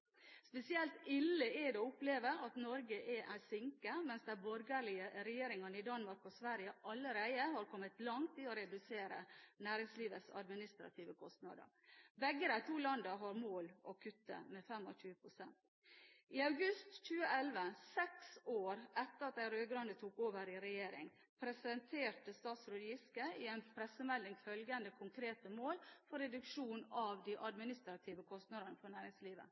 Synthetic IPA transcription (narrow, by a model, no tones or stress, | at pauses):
spɛsɪɛlt̪ɪlːəɛd̪ɛʊpleːʋəɾɑt̪nɔɾɡəʔɛʔæɾsɪŋkəmɛnsd̪ɛbɔɾɡəɾɭɪəɾɛjeːɾɪŋɑnəɪd̪ɑnmɑɾkɔsʋæɾjəʔɑlːəɾæɪəhɑɾkʰɔmːət̪lɑŋt̪ʰɪɔɾɛd̪ʉseːɾə̰næːɾɪŋsliːʋət̪sɑ̰d̪mɪnɪst̪ɾɑ̰t̪ʰiːʋəkʰɔst̪nɑ̰d̪ə̰ɾ | bɛɡːəɾæɪt̪ʰuːlɑnd̪əɦɑɾmoːlʔɔkʰʉt̪ːə̰mɛfɛmɔ̰çʉːəpʰɾʊsɛnt̪ | ʔɪɑʉɡʉst̪c͡çʉːəʔɛlʋəsɛksoːɾɛt̪ːəɾɑt̪̚d̪æɪɾøːɡɾɑnd̪ət̪ʰuːkoːʋəɾɪɾɛjeːɾɪ̰ŋ | pʰɾɛsɪɛnt̪ʰeːʈəst̪ɑːt̪sɾʊd̪jɪskəɪɛnpʰɾɛsəmɛlːɪŋfœlɡənd̪əkʰʊŋkʰɾeːt̪əmoːlfɔɾɛd̪ʉkʂuːnɑʋd̪iːʔɑd̪mɪnɪst̪ɾɑt̪ʰiːʋəkʰɔst̪nɑd̪ənəfɔɳæːɾɪŋsliːʋə̰